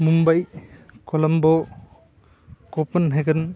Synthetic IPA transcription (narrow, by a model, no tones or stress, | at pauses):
mumbajkɔlɐmbɔ | kɔpɐnɦeɡɯn